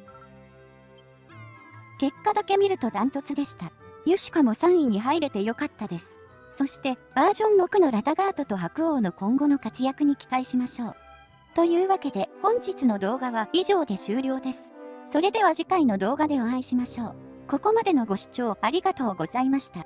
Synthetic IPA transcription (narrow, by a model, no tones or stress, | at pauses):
ke̞kːad̪ake̞mʲiɾɯ̟t̪o̞d̪ãnt̪o̞t͡sɨd̪e̞ɕi̥t̪ajɯɕi̥kamo̞sãɰ̃iɲ̟iɦaiɾe̞t̪e̞jo̞kat̪ːad̪e̞sɨ̥ | so̞ɕi̥t̪e̞b̥aːʑõ̞mːo̞kɯ̟no̞ɾad̪aɡaːt̪o̞t̪o̞ɦakɯ̟o̞ːno̞kõ̞ŋɡo̞no̞kat͡sɨjakɯ̟ɲ̟ikʲi̥t̪aiɕimaɕo̞ː | t̪o̞jɯ̟ːβake̞d̪e̞hõ̞ɲ̟d͡ʑit͡sɨno̞d̪o̞ːɡaβaiʑo̞ːd̪e̞ɕɨːɾʲjo̞ːd̪e̞sɨ̥so̞ɾe̞d̪e̞β̞aʑikaino̞d̪o̞ːɡad̪e̞oãiɕimaɕo̞ː | ko̞ko̞mad̪e̞no̞ɡo̞ɕi̥t͡ɕo̞ːaɾʲiɡat̪o̞ːɡo̞zaimaɕi̥t̪a